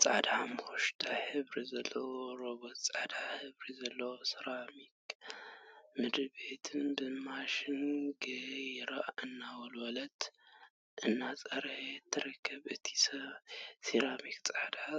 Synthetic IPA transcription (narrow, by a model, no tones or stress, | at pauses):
t͡sʼa̰d̪amɨxuʃt̪ʰahɨβɾizɐlːɐwoɾoβot̪t͡sʼad̪ahɨβɾizɐlːɐwosɨɾamik | mɨd̪bet̪ʰɨnbɨmaʃɪnɡɐjɾaʔɨnːawɔlwɔlɐt̪ | ʔɨnːat͡sʼɐɾħet̪ʰːɨɾɐkʰːɐβʔɨt̪ʰi̥sɐsiɾamikt͡sʼad̪a